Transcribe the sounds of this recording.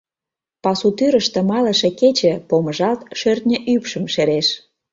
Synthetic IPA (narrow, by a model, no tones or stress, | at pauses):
pɑsut̪yɾə̆ʃt̪ə̆mɑlə̆ʃĕket͡ɕə̆poməʒɑlt̪ʃørt̪̚nʲə̆ʔypʃə̆mʃeɾeʃ